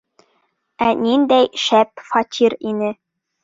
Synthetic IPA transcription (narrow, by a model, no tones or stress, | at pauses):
ænind̪æjʃæpfɑt̪ʲʰiɾinɘ